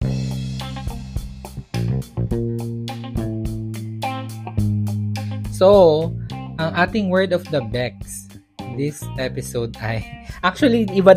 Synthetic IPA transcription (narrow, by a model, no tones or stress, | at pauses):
so | ʔɐŋʔaːt̪ɪŋwɛɹd̪ɔfd̪ɐbɛks | d̪ɪsʔɛpɪsowd̪ʔɐjʔak̚t͡ʃʊɐliɪba